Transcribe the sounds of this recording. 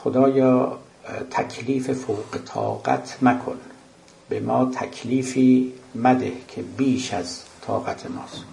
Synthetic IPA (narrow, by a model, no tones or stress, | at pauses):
xod̪ɒːjɒː | t̪ʰækʲʰliːfe̞fowqet̪ʰɒ̰ːɢæ̰t̪ʰnækʰo̰n | bemɒːt̪ʰæ̰kʰliːfiːmæd̪ehkʲʰebiːʃæzt̪ʰɒ̰ːɣæt̪ʰemɒːs